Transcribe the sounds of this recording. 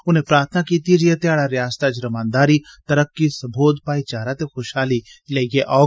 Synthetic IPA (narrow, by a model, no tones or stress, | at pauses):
ʊnẽpɾaːɾt̪ʰnakiːt̪id͡ʒijet̪jaːɽaɾjaːst̪ad͡ʒɾəmãːnd̪aːɾit̪ɐɾəkːisɐbʱoːd̪paːit͡ʃaːɾat̪exoʃhaːlileːɡeʔaː